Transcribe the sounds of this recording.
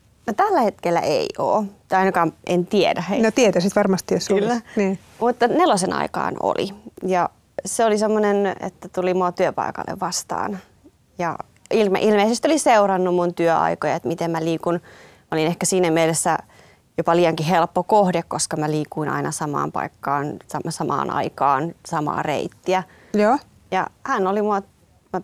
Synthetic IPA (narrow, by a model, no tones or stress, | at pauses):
not̪ælːæhet̪kelːæ̰ʔḛio̰ːt̪ɑinɑkɑːmʔent̪iedæhenot̪iet̪æsit̪ʋɑrmɑst̪ijosolːæniː | mut̪ːɑnelosenɑ̰ikɑ̰ːno̰lḭjɑ | seolisemːonenḛt̪ːæt̪ulimuɑt̪yøpɑ̰ikɑ̰lːḛʋʋɑst̪ɑ̰ːn | jɑ̰ | ilmḛʔilmeisest̪ioliseurɑnːummunt̪yøɑ̰ikojɑet̪mit̪emmæliːkun | mæolinehkæsiːnæmielesːæ | jopɑliːjɑŋkiɦelpːokohdekkoskɑmæliːkuinɑ̰inɑsɑmɑ̰ːmpɑ̰ikːɑːnsɑmsɑmɑ̰ːnɑ̰ikɑːnsɑmɑ̰ːrḛit̪ːiæ | jo | jɑ̰hænolimuɑ | m